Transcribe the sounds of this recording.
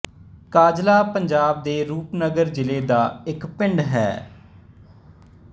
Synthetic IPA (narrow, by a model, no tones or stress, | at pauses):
kaːd͡ʒlaːpəɲd͡ʒaːb̚d̪eːɾuːpnəɡəɾd͡ʒɪleːd̪aːɪkpɪɳɖɦɛ̰ː